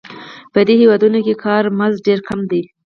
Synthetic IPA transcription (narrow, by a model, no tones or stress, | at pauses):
pəd̪ehewɑd̪unokekʰɑɾmazɖeɾkʰamd̪i